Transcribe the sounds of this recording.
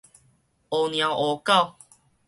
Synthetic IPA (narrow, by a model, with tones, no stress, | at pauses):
o˨nj̃ã˨˩wʔo˨ka˥˨w